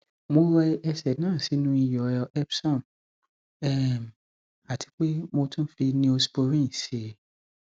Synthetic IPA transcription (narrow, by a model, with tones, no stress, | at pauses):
mo˧ɾɛ˧ɛ˧sɛ˨nãː˦˨si˨˦nũ˦i˧jɔ˨˧ɛ˦psɔ̃˦˨m | ɛ˦˨m˨ | a˨tʰi̥˨˦k͡pe˦mo˧tũ˦fi˧nĩ˧˦o˧si̥˧bo˧ɾĩ˦˨se˨